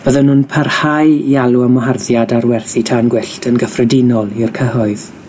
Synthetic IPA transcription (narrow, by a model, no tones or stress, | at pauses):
b̥əðənunpʰərhajjaluəmɔɦarðjadarwɛrθitʰanɡwɪɬtʰənɡəfrɛdɪnɔlˠɪrkʰəɦɔɨð